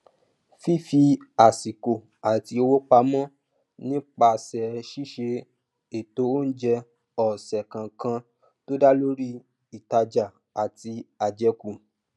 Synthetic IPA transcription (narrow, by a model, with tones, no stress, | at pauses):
fi˦˨fi˧a˨si˨ko˨ | a˨ti˧o˧wo˦k͡pa˧mɔ̃˦ | nĩ˦k͡pa˧˨sɛ˨ʃi˦ʃe˧ | e˨to˧˦o˦n̩˦d͡ʒɛ˧ | ɔ˨sɛ˨kã˨kã˧ | to˦da˦lo˦ɾi˦ | i˦˨ta˧d͡ʒa˨ | a˨ti˧a˨d͡ʒɛ˧ku˨